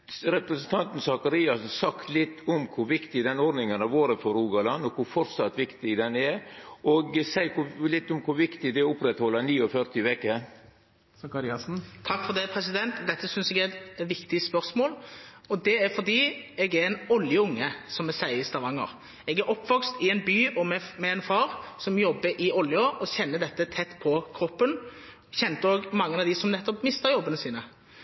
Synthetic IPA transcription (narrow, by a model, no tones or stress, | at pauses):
ɾɛpɾəsn̩t̪ʰɑnt̪n̩sɑkɑɾiːɑsn̩sɑkt̪lɪt̪ʰːʊmkʰʊʋɪkt̪ɪd̪ɛnɔɾd̪nɪŋənɑʋoːɾəfɔɾuːɡɑlɑnːɔkʰʊfɔɾt̪sɑt̪ːʋɪkt̪ɪɡd̪ɛnɛɾɔɡsæɪkʰʊlɪt̪ːʊmkʰʊʋɪkt̪ɪd̪ɛʊpɾɛt̪hɔlːəniːɔfœɾt̪ɪʋɛkːə | sɑkɑɾɪɑsn̩t̪ʰɑkːfɔd̪ɛpʰɾɛsɪd̪ɛnt̪d̪ɛt̪ːəsʏnsɛɡætʋɪkt̪ɪəspœɾsmoːlɔd̪ɛæɾfɔʁd̪iːɛɡæɾɛnɔljəʊŋːəsɔmɛsæɪəɪst̪ɑʋɑŋːə̰ʁ | ɛɡæɾʔɔpːʋɔkst̪ɪɛnbyːʔɔmɛmɛɛnfɑːɾsɔmjɔbːəʔɪɔljəʔɔçɛnːəd̪ɛt̪ːət̪ʰɛt̪ːpʰɔkʰɾɔpːən | çɛnt̪əoːɡmɑŋːənɑʋd̪ɪsɔmnɛt̪ːɔpmɪst̪əɾjɔbːənəsiːnə